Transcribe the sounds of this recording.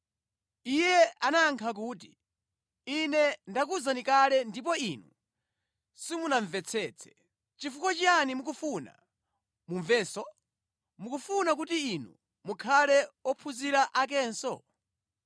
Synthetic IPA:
ijɛanaŋkʰak̬uːti | inɛndakuzanikalɛndip̬ɔinu | simunaɱvɛt͡sʰɛːt͡sʰɛ̥ | t͡ʃifukɔt͡ʃijanimuk̬ufuna̰ | muɱvɛːsɔ | mukufunak̬utiːnṵ | mukʰalɛɔpʰuziɾaʔak̬ɛːnsɔ̰

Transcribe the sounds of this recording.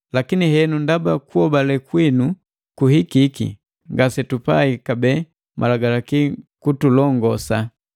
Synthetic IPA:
lakiniɦɛnundabakuɔbalɛkwinu | kuhikikḭ | ŋɡasɛtupaikabɛ | mʔa̰laɡalakikutulɔŋɡɔsa

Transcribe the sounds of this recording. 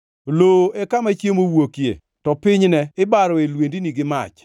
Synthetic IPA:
loɛkamat͡ʃjemowokjḛ | tɔpɪɲnɛɪbaɾɔelwendiniɡɪma̰t͡ʃ

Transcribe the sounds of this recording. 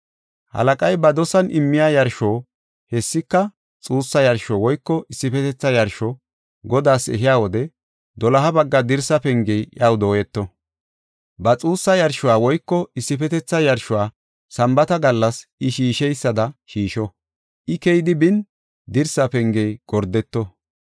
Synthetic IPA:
hɐ̰lɐkʼɐjbɐd̪ɔsɐnʔɪmːɪjaːjɐɾʃoː | hɛsːɪkːɐ | t͡sʼuːsːɐjɐɾʃɔwɔjkːɔʔɪsːɪpɛt̪ɛt͡sːɐjɐɾʃɔ | ɡɔd̪aːsɛ̰ɦɪjaːwɔd̪ɛ | d̪ɔlɐɦɐbɐɡːɐd̪ɪɾsɐpɛŋɡɛjʔɐwd̪oːjɛt̪ːɔ | bɐt͡sʼuːsːɐjɐɾʃʊwaːwɔjkːɔɪsːɪpɛt̪ɛt͡sːɐjɐɾʃʊwaː | sɐmbɐt̪ɐɡɐlːɐsʔɪʃiːʃɛjsːɐd̪ɐʃiːʃɔ | ʔɪkɛjd̪ɪbɪn | d̪ɪɾsɐpɛŋɡɛjɡ̥ɔɾd̪ɛt̪ːɔ

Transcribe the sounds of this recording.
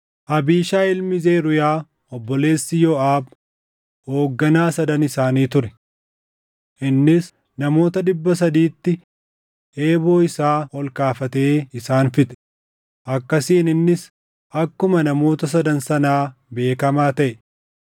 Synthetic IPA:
ʔɐbiːʃaːɪlmɪzeːɾʊjaː | ɔbːɔle̞ːsːɪjɔːʔaːb | ho̞ːɡːɐnaːsɐd̪ɐnɪsaːniːt̪ʊɾɛ | ʔɪnːɪs | nɐmo̞ːt̪ɐd̪ɪbːɐs̬ɐd̪iːt̪ːɪ | eːbo̞ːɪsaːɔlkaːfɐt̪e̞ːɪsaːnfɪt̪ɛ̥ | ʔɐkːɐsiːnɪnːɪs | ɐkːʊmɐnɐmo̞ːt̪ɐs̬ɐd̪ɐnsɐnaːbe̞ːkɐmaːt̪ɐʔɛ

